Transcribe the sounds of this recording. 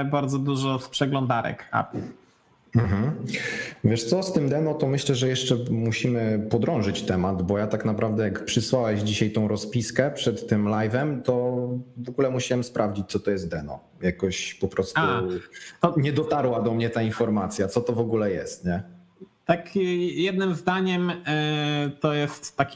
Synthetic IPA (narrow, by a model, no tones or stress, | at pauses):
baɾd̪zɔd̪uʐɔspʂɛɡlɔnd̪aɾɛ̰ka̰p | m̩ɦm̩ | vʲjɛʂt̪sɔst̪ɘmd̪ɛnɔt̪ɔmɘɕlɛʐɛjɛʂt͡ʂɛmuɕimɘpɔd̪ɾɔ̃w̃ʐɘt͡ɕt̪ɛmad̪bɔjat̪aknapɾʔavd̪ɛjakpʂɘswawɛʑd͡ʑiɕajt̪ɔ̃w̃ɾɔspʲiskɛpʂɛt̪ːɘmlajvɛmt̪ɔvɔɡulɛmuɕawɛmspɾʔavd͡ʑit͡ɕ̚t̪sɔt̪ɔjɛst̪̚d̪ɛnɔ̰ | jakɔɕpɔpɾɔst̪ut̪ɔɲɛd̪ɔt̪aɾwad̪ɔmɲɛt̪ainfɔɾmat̪sʲjat̪sɔt̪ɔvɔɡulɛjɛst̪ɲɛ | t̪akjɛd̪̚nɘmzd̪aɲɛm | t̪ɔjɛst̪ːakʲ